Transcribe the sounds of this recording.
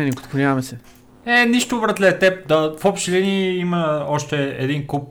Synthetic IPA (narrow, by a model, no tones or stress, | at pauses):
ɛnikot̪konʲaɐmɛsɛ | ɛniʃt̪ʊvɾət̪lɛt̪ɛp̚d̪əfɔpʃt̪ilɛniiməɔʃt̪ɛɛ̰d̪inkup̚